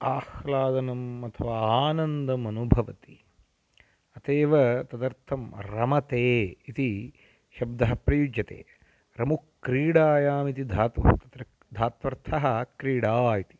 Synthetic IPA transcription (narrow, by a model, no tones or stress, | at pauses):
aːxlaːd̪ɐnɐmɐt̪ʰɐʋaːaːnɐnd̪ɐmɐnubʱɐʋɐt̪i̥ | ɐt̪eːʋɐt̪ɐd̪ɐɾt̪ʰɐmɾɐmɐt̪eːit̪i | ʃɐb̚d̪ɐɦɐpɾɐjud͡ʒjɐt̪ḛː | ɾɐmukɾiːɽaːjaːmit̪id̪ʱaːt̪ɐt̪ɐt̪ɾɐ | d̪ʱaːt̪ʋɐɾt̪ʰɐɦɐ̆kɾiːɽaːit̪i̥